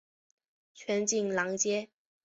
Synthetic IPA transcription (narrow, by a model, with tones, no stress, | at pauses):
t͡ɕʰɥɛ˧˥nt͡ɕi˥˩ŋlɑ˧˥ŋt͡ɕjɛ˥